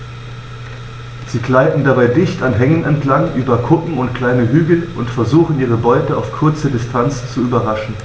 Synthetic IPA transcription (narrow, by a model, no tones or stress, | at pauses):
z̥iːkl̥aɪtn̩dabaɪdɪçtanɦɛŋənɛntlaŋʔyːbɐkʰʊkŋ̩ʊntkl̥aɪnəɦyːɡl̩ʔʊntfɛɐzuːxn̩iːʁ̞əbɔʏtəa̰ʊfkʰʊɐt͡sədɪstʰant͡st͡suyːbɐʁaʃn̩